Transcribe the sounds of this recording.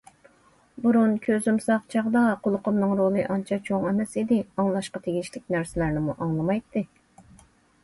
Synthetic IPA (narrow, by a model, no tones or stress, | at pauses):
buɾunkʲʰøzymsɑqt͡ʃʰɑʁd̪ɑqʰʊlˠʊqʊmnɨŋɾolˠɨʔɑnt͡ʃʰɑt͡ʃʰoŋɛmɛsid̪ɪɑŋlˠɑʃqɑt̪ʰeɡʲiʃlɪk̚ʲnæɾsɪlæɾnɪmuʔɑŋlˠɨmɑjt̪ʰːɨ